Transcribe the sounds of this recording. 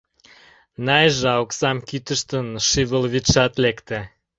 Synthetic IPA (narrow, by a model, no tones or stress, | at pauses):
nɑjʒɑoksɑmkyt̪ə̆ʃt̪ənʃiβə̆lvʲit̪t͡ʃɑt̪lekt̪ĕ